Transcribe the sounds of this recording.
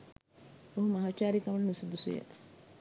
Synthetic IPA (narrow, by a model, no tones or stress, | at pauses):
oɦumaɦaːt͡ʃaːɾikɐʋɐnnusud̪usṵjə̰